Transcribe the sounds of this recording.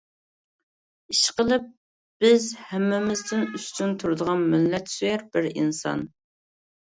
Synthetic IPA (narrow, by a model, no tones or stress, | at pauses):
iʃqəlˠɨp̚ | b̥ɪzhɛmːɪmɪzd̪ɪnyst͡ʃynt̪ʰuɾd̪əʁɑnmɪlːɛt̪syjɛɾbɪɾḭnsɑ̰n